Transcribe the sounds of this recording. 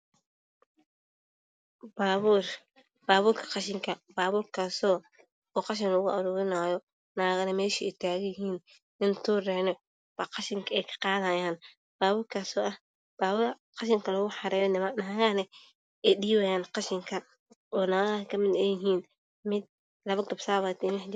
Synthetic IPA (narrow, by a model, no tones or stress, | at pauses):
baːβuːr | baːβuːɾkʰɐ̥qɑʃɪŋkʰɐbaːβuːrkʰaːsɔː | ɔːqɑʃ̬ɪnlɔɣʊɐɾuːɾɪnaːjɔ | naːɣɐnɛmɛːʃɪɛt̪ʰaːɣjɪɦiːn | nɪnt̪ʰuːrɛːnɔ | bɐqɑʃɪŋkʰɐɛjkʰɐ̥qɑːðaːjaːn | b̥aːβuːɾkʰaːsɔːʔɐh | b̥aːβuɾ | qɑʃɪŋkʰɐlɔɣʊħɑɾɛːjɔnɪmanaːɣanɛ | ʔɛjɗiːwajaːnqɑʃɪŋkʰɐ | ʔɔːnaːɣɐkʰɐmɪd̪ɛːjɪɦiːn | mɪd̪̚ | lɐβɐɡɐbsaːβad̪ɛnɪħd͡ʒ